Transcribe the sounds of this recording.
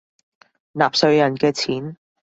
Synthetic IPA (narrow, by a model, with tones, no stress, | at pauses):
naː˨p̚sɵ˧ɥjɐ˨˩nkɛː˧t͡sʰiː˨˥n